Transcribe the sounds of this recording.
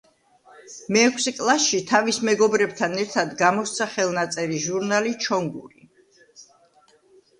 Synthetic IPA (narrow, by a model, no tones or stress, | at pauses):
mɛːkʰsɛkʼlˠasʃit̪ʰavismɛɡɔbɾɛbt̪ʰanɛɾt̪ʰad̪ɡamɔst̪sʰaχɛlˠnat̪sʼɛɾiʒuɾnalit͡ʃʰɔŋɡuɾi